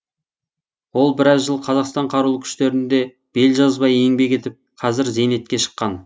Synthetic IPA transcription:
wo̞lˠbɪɾɑzʒəlˠqʰɑzɑqst̪ɑɴqʰɑɾulˠəkʲʰʏ̥ʃt̪e̞ɾɪnd̪e̞ | b̥e̞lʒɑzbɑje̞ŋbe̞kʲe̞t̪ɪp̚qʰɑzɪɾzejne̞t̪̚kʲe̞ʃə̥qːɑn

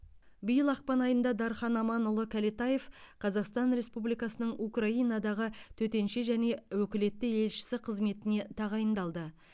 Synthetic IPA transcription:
bijəlˠɑq̚pɑnɑjənd̪ɑd̪ɑɾχɑnɑmɑnʊlˠəkʲʰælit̪ɑje̞fqʰɑzɑqst̪ɑnɾe̞spublijkɑsənəɴukrɑijnɑd̪ɑʁət̪ʰɵt̪e̞nʃeʒæne̞wɵkʲɪle̞t̪ːɪje̞lʃɪ̥sɪqʰəzme̞t̪ɪne̞t̪ʰɑʁɑjənd̪ɑlˠd̪ə

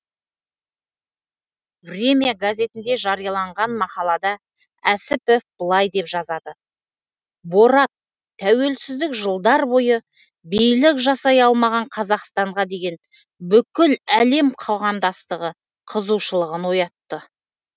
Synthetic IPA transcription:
brʲe̞mʲijaɡazʲe̞t̪ɪnd̪e̞ʒɑɾijɑlˠɑɴʁɑnmɑqɑlˠɑd̪ɑ | æsɪpefbəlˠɑjd̪e̞pʒɑzɑd̪ə | bo̞ɾɑt̪ʰː | æwe̞lsɪzd̪ɪkʒəlˠd̪ɑɾbo̞jə | bijlɪkʒɑsɑjɑlˠmɑʁɑɴqʰɑzɑqst̪ɑɴʁɑd̪e̞ɡʲe̞n | bʏkʲɪlæle̞mqʰo̞ʁɑmd̪ɑst̪əʁə | qʰəzuʃəlˠəʁənwo̞jɑt̪ːə

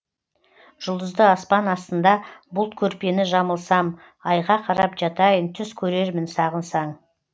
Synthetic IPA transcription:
ʒ̥ʊlˠd̪əzd̪əɑspɑnɑst̪ənd̪ɑbʊlˠt̪kʲʰɵɾpe̞nɪʒɑməlˠsɑm | ɑjʁɑqʰɑɾɑpʒɑt̪ɑjənt̪ʰʏskʲʰɵɾe̞ɾmɪnsɑʁənsɑɴ

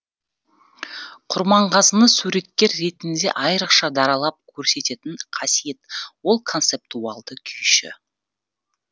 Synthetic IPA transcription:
qʰʊɾmɑɴqɑzənəsuɾe̞t̪kʲːe̞ɾːe̞t̪ɪnd̪e̞̰ʔɑjɾəqʃɑd̪ɑɾɑlˠɑp̚kʲʰɵɾse̞t̪e̞t̪ɪɴqʰɑsije̞t̪wo̞lˠkʰont̪se̞p̚t̪uɑlˠd̪əkʲʰʏjʃɪ̰

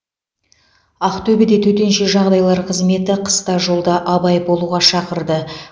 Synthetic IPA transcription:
aqt̪ɵbed̪et̪ʰɵt̪e̞nʃe̞ʒɑʁd̪ɑjlˠɑɾqʰəzme̞t̪ɪqʰə̥st̪ɑʒo̞lˠd̪ɑʔɑbɑjbo̞lˠuʁɑʃɑqəɾd̪ə

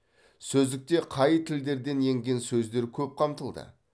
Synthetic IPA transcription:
sɵzd̪ɪk̚t̪e̞qʰɑjt̪ʰɪld̪e̞ɾd̪e̞nje̞ŋɡʲe̞nsɵzd̪e̞ɾkʲʰɵp̚qʰɑmt̪əlˠd̪ə̰

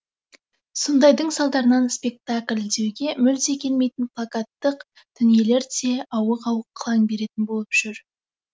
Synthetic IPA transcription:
sond̪ɑjd̪əɴsɑlˠd̪ɑɾənɑnspe̞k̚t̪akʲlʲd̪e̞wɡʲe̞mʏlt̪e̞kʲʰe̞lme̞jt̪ɪnplˠakat̪ːəq | t̪ʰʏnije̞le̞ɾd̪eɑwəqɑwəqʰːəlˠɑŋbe̞ɾe̞t̪ɪnbolˠəpʒ̥ʏɾ

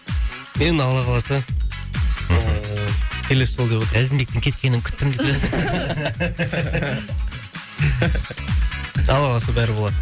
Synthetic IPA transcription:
me̞nɑlˠɑʁɑlˠɑsə | kʲʰe̞le̞sʒolˠd̪epot̪əɾæzɪmbet̪ɪŋkʲʰet̪kʲe̞nɪŋkʲʰʏ̥t̪ːɪmd̪ɪe | ɑlˠɑʁɑlˠɑs̬əbæɾɪbo̞lˠɑd̪ə

